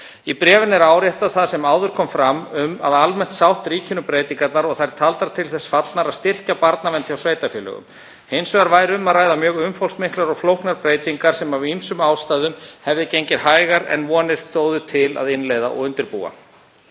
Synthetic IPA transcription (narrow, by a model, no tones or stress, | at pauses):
ipɾɛːvɪnɛɾaːwɾjɛht̪aðθaðsɛmaːwðʏɾ̥kʰɔmfɾamʏma̰ðalmɛn̥t̪sawht̪riːcʰɪnʏpɾeːjt̪iŋkat̪naɾɔɣθajɾ̥t̪ʰalt̪aɾ̥t̪ʰɪlθɛsfat̪lnaɾaðst̪ɪr̥capaɾt̪navɛnt̪çawsveːjt̪afjɛːlœ̰ɣʏ̰m | hejnsœɣaɾvaːjɾʏmaðraːjðamjœːɣʏmfowlsmɪhklaɾɔɣflowhknaɾpɾeːjt̪iŋkaɾ̥sɛmavimsʏmaːwst̪ajðʏmhɛvðɪcejɲcɪɾ̥haːjɣaɾɛ̰nvɔːnɪɾ̥θoːwðʏt̪ʰɪla̰ðɪnleːjða̰ʔɔ̰ɣʏnt̪ɪɾpṵːa̰